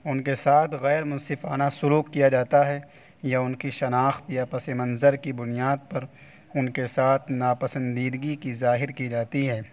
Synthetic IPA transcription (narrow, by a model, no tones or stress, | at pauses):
ʊnkesaːt̪ʰɣɛːɾmʊ̃nsɪfaːnasʊluːkːijad͡ʒaːt̪aɦɛ | jaʊnkiʃɐnaːxt̪japɐsemɐ̃nzəɾkibʊnijaːd̪̚pɐɾ | ʊnkesaːt̪ʰnaːpɐsə̃nd̪iːd̪ɡikizaːɦɪɾkid͡ʒaːt̪iɦɛː